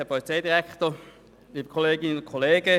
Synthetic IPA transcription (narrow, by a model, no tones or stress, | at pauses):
ɛɐpʰɔlit͡seɪdiʁɛkto | liːbəkʰoleːɡɪnnʊnkʰoleːɡə